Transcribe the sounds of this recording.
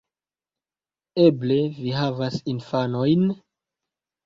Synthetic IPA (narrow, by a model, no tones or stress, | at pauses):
eble̞viɦavasinfanojn